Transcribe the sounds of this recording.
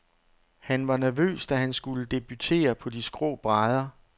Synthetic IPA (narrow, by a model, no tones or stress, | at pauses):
hænʋɑ̈næɐʋø̰ːsd̥æɦænsɡ̥uləd̥e̝b̥yt͡sʰe̝̰ːɐpʰɒ̽d̥isɡ̥ʁɔ̰ːb̥ʁɑðˠɐ